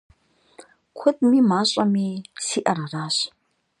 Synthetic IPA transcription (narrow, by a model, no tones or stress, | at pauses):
kʷʰʊtʼmimaɕʷʼamisiʔaɾaraɕ